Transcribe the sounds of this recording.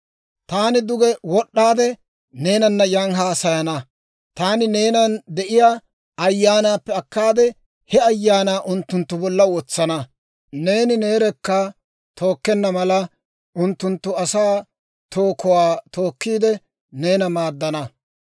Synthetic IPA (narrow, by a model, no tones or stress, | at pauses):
t̪aːnɪd̪ʊɡɛwɔɗːaːd̪ɛ | ne̞ːnɐnːɐjaŋɦaːsɐjɐnɐ | t̪aːnɪne̞ːnɐnd̪ɛʔɪjaː | ɐjːaːnaːpːɛɐkːaːd̪ɛ | hɛɐjːaːnaːʔʊnt̪ːʊnt̪ːʊbɔlːɐwɔt͡sːɐnɐ | ne̞ːnɪne̞ːɾɛkːɐ | t̪ʰo̞ːkːɛnːɐmɐlɐ | ʊnt̪ːʊnt̪ːʊɐsaː | t̪o̞ːkɔwaːt̪o̞ːkːiːd̪ɛ | ne̞ːnɐmaːd̪ːɐnɐ